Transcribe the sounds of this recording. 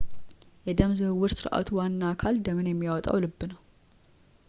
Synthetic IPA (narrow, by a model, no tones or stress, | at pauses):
jɛd̪əmzɨhɨwːɨɾsɨɾʔa̰t̪ʰuwanːakʰald̪əmənjɛmːijawɔt̪ʼa̰wlɨbːɨnəw